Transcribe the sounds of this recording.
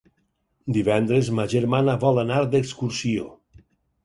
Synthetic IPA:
d̪iβɛnd̪ɾəzmaʒəɾmanaβɔlənaɾd̪əkskuɾsio

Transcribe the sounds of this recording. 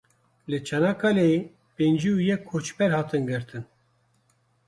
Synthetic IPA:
lɨt͡ʃʰɛnakʰale | pend͡ʒiujɛkʰːot͡ʃbɛɾhɑːt̪ʰɨnɡɨɾt̪ʰɨn

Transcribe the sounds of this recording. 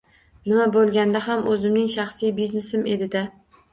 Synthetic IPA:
nɪmabolˠɡʲand̪aɦamɵzɪmnɪŋʃɑχsijbizne̞sɪme̞d̪ɪd̪a

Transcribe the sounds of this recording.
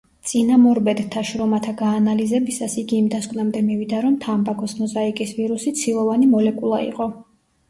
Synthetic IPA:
t̪sʼinamɔɾbɛd̪t̪ʰːaʃɾɔmat̪ʰaɡaːnalizɛbisasiɡiːmd̪askʼwnamd̪ɛmivid̪aɾɔmt̪ʰambakʰɔsmɔzaikʼisviɾusit̪sʰilˠɔvanimɔlɛkʼulˠaḭqʼɔ

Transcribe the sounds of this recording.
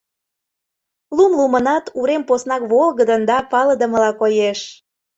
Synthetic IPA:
lumlumənɑt̪uɾemposnɑkβolˠɣəd̪ənd̪ɑpɑləd̪ə̆məlɑkojeʃ

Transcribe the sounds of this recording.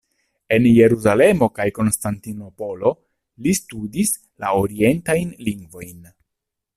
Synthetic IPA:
e̞nje̞ɾuzale̞mo̞kajko̞nstantino̞po̞lo̞ | listudis | laoɾie̞ntajnliŋɡvo̞jn

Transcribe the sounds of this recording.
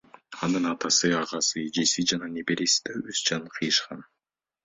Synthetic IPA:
ɑnɯnɑt̪ɑsɯɑʁɑsɯd͡ʒe̞sid͡ʒɑnɑnepeɾesi̥d̪̥ɑysd͡ʒɑnqʰɯjɯʃqɑn

